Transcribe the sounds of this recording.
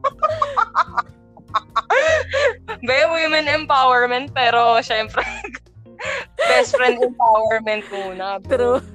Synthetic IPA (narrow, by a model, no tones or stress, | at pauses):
bɛwɪmɛnɛmpawɛɹmɛnt̪̚pɛːɾoʃɛmpɾɛ | bɛst̪fɾɛnd̪ɛmpawɛɹmɛnt̪̚muːnɐpɛɾo